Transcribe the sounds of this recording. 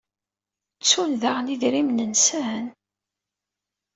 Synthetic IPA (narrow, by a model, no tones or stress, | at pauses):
t͡sːunðaʁniðɾimnənsæn